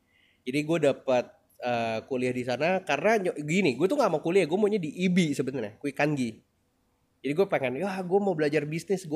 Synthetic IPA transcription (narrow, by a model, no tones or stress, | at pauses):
d͡ʒadiɡuadapat̪̚ | əkuliahdisanakarənaɲɡiniɡuat̪uŋɡamakuliahɡuamoɲadiʔːbisəbənarakuikanɡi | d͡ʒadiɡuapaŋɛnjaɡuamawbəlad͡ʒarbisnɪsɡu